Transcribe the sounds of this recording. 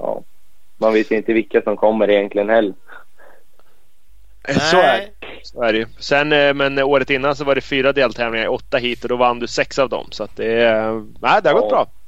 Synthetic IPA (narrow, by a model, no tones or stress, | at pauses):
ɑ̰ː | manveːt̪jɪnt̪əvɪkːasɔmkʰɔmːəɾɪjɛnk̪lɪɡənhɛlːəɾ | sɔæ | soæːɖɛjɵsɛnːmɛnoːɾət̪ɪnːans̬ɔvaɖɛfyːɾad̪eːlt̪ʰɛːvlɪŋaɾɔt̪ːaɦiːt̪ɔd̪ɔvanːd̪ɵsɛksavd̪ɔ̰msɔat̪̚d̪ɛnæɪd̪ɛhaɾɡɔt̪bɾɑː